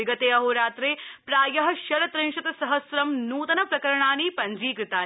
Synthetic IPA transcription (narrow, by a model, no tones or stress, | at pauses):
iɡɐt̪eːɐɦoːɾaːt̪ɾeːpɾaːjɐɦɐ̆ʃɐɾɐt̪ɾeŋʃɐt̪ɐsɐɦɐsɾɐmnuːt̪ɐnɐpɾɐkɐɾɐɳaːniːpɐɲd͡ʒiːkɾɪt̪aː